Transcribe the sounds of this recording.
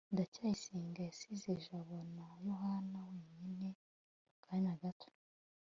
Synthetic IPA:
ndacaːjisiːŋɡajasizeʒaβonajoɦanaweːɲine | ukʰaɲaɡatʰo̥

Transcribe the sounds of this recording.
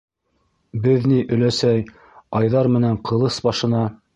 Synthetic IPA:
bɘðniʔɵ̆læsæj | ɑjðɑɾmɘ̆næɴqɤ̆lˠɤsbɑʃɤ̆nɑ

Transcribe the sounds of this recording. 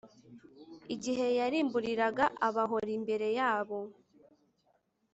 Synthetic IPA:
iɟiɦe̞jaɾiːmbuɾiɾaɡaʔaβaɦo̞ɾimbe̞ɾe̞jaːβo̞

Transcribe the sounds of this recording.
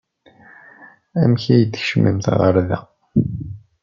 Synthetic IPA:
æmçæjəd̪çʃəmːḭmθʁəɾðæ̰

